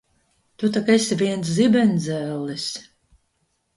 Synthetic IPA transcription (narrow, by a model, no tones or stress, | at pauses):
t̪ut̪akesiviɛns̬zibɛnzɛlːisʲ